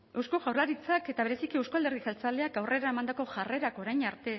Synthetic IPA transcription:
e̞wskoɣawrlaɾit͡sake̞t̪aβ̞e̞ɾe̞sikiewskoald̪erð̞isalt͡sale̞akawre̞ɾaemand̪ako̞ʝare̞ɾako̞ɾajɲaɾt̪e̞

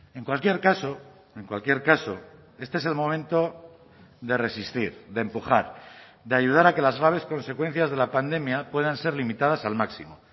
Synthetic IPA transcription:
e̞ŋkwalkje̞ɾkaso | e̞ŋkwalkje̞ɾkaso̞̰ | e̞st̪eese̞lmõ̞mẽnt̪o̞ | ðe̞resist̪iɾðe̞mpuxaɾðeaʝuð̞aɾake̞lazɣɾaβ̞e̞sko̞nse̞kwe̞n̟θjazðe̞lapand̪e̞mjapwe̞ðanse̞ɾlimit̪að̞asalmaksimo

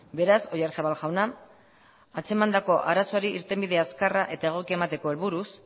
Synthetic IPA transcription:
be̞ɾaso̞jaɾsaβalʝawna | at͡se̞mand̪ako̞ʔaɾasoaɾiʔiɾt̪e̞mbiðe̞askaraʔe̞t̪ae̞ɣ̞o̞kiemat̪e̞ko̞e̞lβuɾus

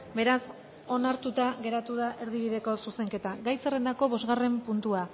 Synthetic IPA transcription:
be̞ɾas | o̞naɾt̪ut̪aɣe̞ɾat̪uðaʔe̞ɾðiβ̞iðe̞ko̞suse̞ŋke̞t̪aɡajsere̞nd̪ako̞βo̞zɣare̞mpunt̪ua

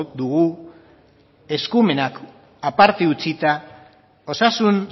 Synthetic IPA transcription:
d̪uɣu | e̞skume̞nak | apaɾt̪eut͡sit̪a | o̞sasun

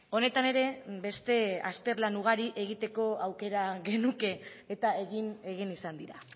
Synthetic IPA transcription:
o̞net̪ane̞ɾe̞be̞st̪e̞a̰st̪e̞ɾlanuɣ̞aɾiʔe̞ɣ̞it̪e̞ko̞awke̞ɾaɣe̞nuke̞ː | t̪ae̞ɣine̞ɣinisand̪iɾa

